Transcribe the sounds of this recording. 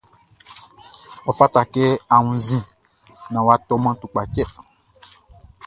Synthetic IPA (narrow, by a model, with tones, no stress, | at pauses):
ɔ˨fa˦ta˨kɛ˦a˨wũ˨zĩ˦ | nã˨wa˦tɔ˦mã˦tu˨k͡pa˨t͡ʃɛ˦˨